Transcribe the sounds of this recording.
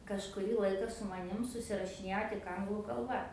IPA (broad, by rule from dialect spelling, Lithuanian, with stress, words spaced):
kɐʃkʊˈrʲiː ˈlˠɐɪkɐ sʊ mɐˈnʲɪm sʊsʲɪrɐʃʲɪˈnʲeːjoː tʲɪk ˈɐŋɡlˠuː kɐlˠˈbɐ